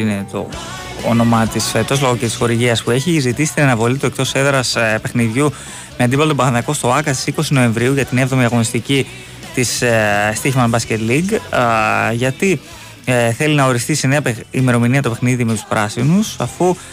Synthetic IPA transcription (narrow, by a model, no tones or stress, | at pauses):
ine̞t̪o̞̰ | o̰no̞mɐt̪iset̪o̞zloɣoct̪isxo̞ɾiʝiɐspue̞çizit̪isi̥t̪inɐnɐvo̞lit̪uek̚t̪o̞se̞ðeɾɐspe̞xniðʝu | meɐnd̪ipɐlt̪obɐðɐnðɐko̞st̪o̞ɐkɐst̪i̥siko̞sino̞e̞ɱvɾiuʝɐt̪inevðo̞miɐɣonist̪ici | t̪isst̪içmɐnbɐsce̞t̪liɡ | ʝɐt̪i | θe̞linɐo̞ɾist̪isene̞ɐpeime̞ɾo̞miniɐt̪ope̞xniðime̞t̪u̥spɾɐsinusɐfu